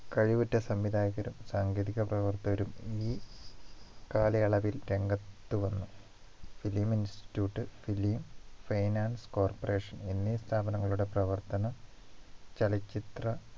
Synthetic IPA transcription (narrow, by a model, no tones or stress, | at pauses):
kɐɻiʋutːɐsɐmʋid̪ʱaːɣɐɾumsaːŋɡeːðiɣɐprɐʋɐrt̪ɐʋɐɾumiː | kaːlɐjɐɭɐʋilɾe̞ŋɡɐt̪ːuʋɐnːu | filiminsti̥tjuːʈːɨfiliːmfɐjnaːnsko̞ːrpɐre̞ːʂɐnenːist̪ʰaːbɐnɐŋːɐɭuɽe̞prɐʋɐrt̪ɐnɐ | t͡ɕɐlɐt͡ɕːit̪rɐ